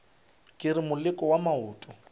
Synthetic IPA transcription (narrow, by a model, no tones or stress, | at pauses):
kʼɪɾɪmʊlɪkʼɔwamaʊːtʼɔ